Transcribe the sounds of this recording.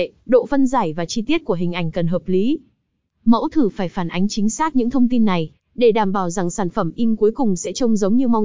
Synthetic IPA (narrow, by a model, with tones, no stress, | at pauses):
ɗo̰˧˨fə˧nzaː˧˩jvaː˨˩t͡ɕi˧t̪i˦˥ət̚ku˧˩əɦï˨˩ŋ̟ʔa˧˩jŋ̟kə˨˩nɦəː˨˩p̚li˨˦ | mə̰˧˥wt̪ʰɨ˧˩faː˧˩jfaː˧˩nʔa˨˦jŋ̟t͡ɕï˨˦ŋ̟saː˦˥t̚ɲɨ̰˧˥ŋt̪ʰə˧wŋ͡mt̪i˧nːa˨˩j | ɗe˧˩ɗaː˨˧˩mɓaː˧˩wza˨˩ŋsaː˧˩nfə˧˩mʔi˧mku˨˦əjkʊ˨˩ŋ͡msɛ̰˧˥t͡ɕə˧wŋ͡mzə˨˦wŋ͡mɲɨ˧ma˧w